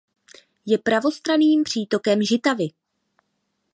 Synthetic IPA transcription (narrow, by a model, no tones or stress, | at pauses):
jɛpɾavo̞st̪ɾaniːmpr̝̥iːt̪o̞kɛmʒɪt̪avɪ